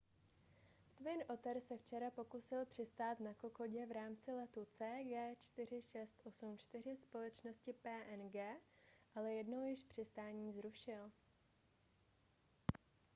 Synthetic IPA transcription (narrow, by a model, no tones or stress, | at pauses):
t̪vɪnʔo̞t̪ɛɾsɛft͡ʃɛɾapo̞kusɪlpr̥ɪst̪aːt̪nakoko̞ɟɛvɾaːmt͡sɪlɛt̪ut͡sɛːɡɛːt͡ʃt̪ɪr̝ɪʃɛst̪ʔo̞sumt͡ʃt̪ɪr̝ɪspo̞lɛt͡ʃno̞scɪpɛːʔɛnɡɛːʔalɛjɛdno̞wjɪʃpr̝̥ɪst̪aːɲiːzɾuʃɪl